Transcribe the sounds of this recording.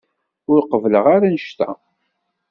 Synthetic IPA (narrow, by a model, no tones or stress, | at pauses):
ʊɾqəvləʁaɾænəʃt̪æ̰